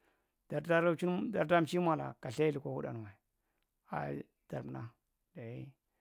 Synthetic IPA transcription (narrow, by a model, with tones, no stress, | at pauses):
d̥a˨ɾda˦ɾa˦t͡ʃu˦nda˨ɾda˦m˨t͡ʃi˦mʷa˨la̰˨ka˨ɬa˦i˦u˨kʷa˨wu˦ɗa̰˨n˨wa˨ | a̰˨˦ | d̥a˨ɾna˦ | da˨ji˦